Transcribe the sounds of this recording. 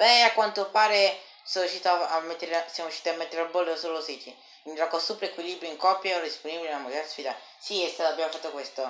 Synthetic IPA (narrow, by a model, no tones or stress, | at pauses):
bɛakːwant̪opaːɾe | sɔmjuʃːit̪oaamːet̪ːeɾesjamojuʃːiːt̪iamːet̪ːeɾabolːsolosit͡ʃi | inrɔkːosupɾeekwiliːbɾjuiŋkɔpːjad̪isponibilenamozasfiːd̪a | siest̪adabjamofat̪ːokwest̪o